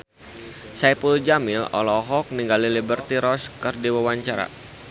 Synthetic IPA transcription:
sajpulud͡ʒamɪlɔ̰lɔɦɔk̚niŋɡalilibərt̪iɾɔskɨrdiwawaɲt͡ʃaɾa̰

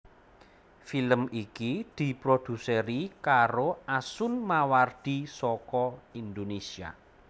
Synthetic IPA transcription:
filəmikid̪̥i̤pɾod̪̥ṳseɾikaɾoʔasʊnmaward̪̥isɔkɔind̪onesia̰

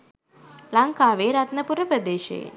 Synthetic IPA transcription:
laŋkaːʋeːɾat̪nɐpuɾəpɾəd̪eːʃḛː

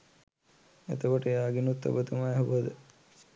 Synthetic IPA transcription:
ḛt̪əkoʈəejaːɡinut̪ːɐ̰bət̪umaɦubəd̪ə

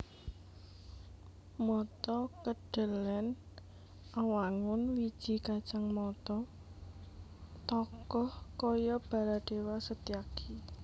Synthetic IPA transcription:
mɔt̪ɔkəɖ̥ə̤lɛn | awaŋʊnwid̥ʒ̥i̤kḁt͡ʃaŋmɔt̪ɔ | t̪ɔkɔhkɔjɔb̥a̤ɾaɖ̥e̤wasət̪iaki

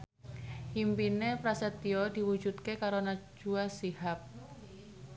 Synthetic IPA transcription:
impinepɾasɛt̪iɔd̪̥i̤wu̥d͡ʒut̪̚kekaɾonḁd͡ʒ̥uasihap̚

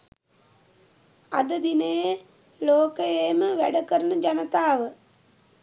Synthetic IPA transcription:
a̰d̪əd̪inəjə | loːkəjeːməʋæɖəkəɾənəd͡ʒanət̪aːʋə

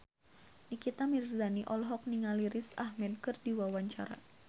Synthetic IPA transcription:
nikit̪amirzaniʔɔlɦɔk̚niŋaliɾɪsahmɛd̚kɨrdiwawaɲt͡ʃaɾa̰

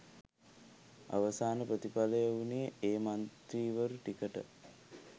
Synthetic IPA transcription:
a̰ʋəsaːnəpɾət̪ipaləjəunijəeːmant̪ɾiːʋəɾuʈikəʈə̰

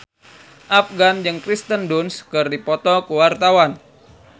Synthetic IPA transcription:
ʔafɡand͡ʒɨŋkɾist̪əndunskɨrdipɔt̪ɔkuwart̪awan

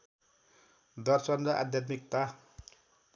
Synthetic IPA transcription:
d̪ʌrsʌnɾʌʔa̰d̪jat̪mik̚t̪a

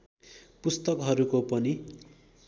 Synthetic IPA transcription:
pust̪ʌkɦʌɾukopʌni

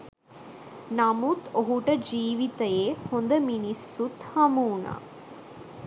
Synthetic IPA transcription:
nɐmut̪oɦuʈəd͡ʒiːʋit̪əjeːhond̪əminisːut̪hɐmuːna̰

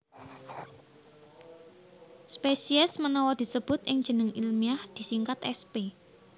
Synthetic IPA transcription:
spesiɛsmənɔwɔd̪̥i̤səb̥ʊt̪ʔɪŋd̥ʒ̥ə̤nəŋilmiahd̪̥i̤siŋkat̪ɛ̰spe

